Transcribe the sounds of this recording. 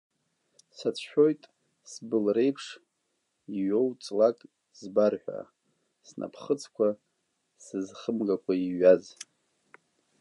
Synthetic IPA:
sat͡sʷʰħᶣo̞jtʼ | sbɨlre̞jpʰʂ | iɥo̞wt͡sʼlakʼ | zbarħᶣʷa̰ | snʔa̰pʰχət͡sʰkʷʰa | sɨzχəmɡakʷʰaiɥaz

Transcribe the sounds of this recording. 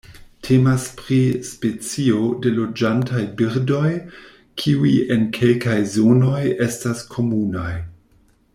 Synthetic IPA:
tʰe̞maspɾispe̞t͡sio̞de̞lo̞d͡ʒantʰajbiɾdo̞j | kʰiuje̞nkʰe̞lkajzo̞no̞je̞staskʰo̞munaj

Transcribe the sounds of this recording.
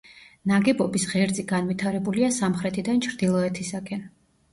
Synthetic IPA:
naɡɛbɔbisʁɛɾd̪ziɡanvit̪ʰaɾɛbuliasamχɾɛt̪ʰid̪ant͡ʃʰɾd̪ilˠɔɛt̪ʰisaɡʰɛn

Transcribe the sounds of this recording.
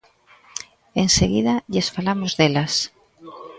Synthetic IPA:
eŋseɣiðɐʎesfalamozðelɐs

